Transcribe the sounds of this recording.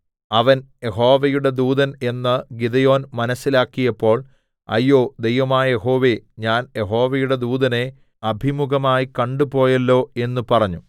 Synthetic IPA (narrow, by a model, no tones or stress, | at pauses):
ɐʋɐnje̞ɦo̞ːʋɐjuɽe̞d̪uːðɐne̞nːɐɡid̪ɐjo̞ːnmɐnɐsːilaːkːijɐpːo̞ːɭ | ɐ̰jːoːd̪e̞jʋɐmaːjɐjeɦo̞ːʋeɲaːnje̞ɦo̞ːʋɐjuɽe̞d̪uːd̪ɐne̞ | ɐbʱimuɡɐmaːjikɐɳɖupo̞ːjɐlːo̞ːe̞nːupɐrɐɲːu